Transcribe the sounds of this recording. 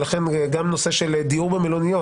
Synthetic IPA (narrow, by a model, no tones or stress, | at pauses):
laχenɡamno̞seʃeld̪iubemelonijo